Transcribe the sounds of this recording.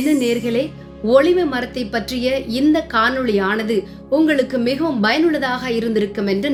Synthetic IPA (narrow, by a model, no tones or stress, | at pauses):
nɯneːɾɣɐɭeː | ɔɭɪmɐmɐɾɐt̪ːɐɪpːɐʈrɪjɐɪnd̪ɐkaːnɯɭɪjaːnɐðɯ | ʊŋɡɐɭɯkːɯmɪɣɐʋɯmbɐjɐnɯɭɐðaːɣɐɪɾɯnd̪ɪɾɯkːɯmɛndrɯ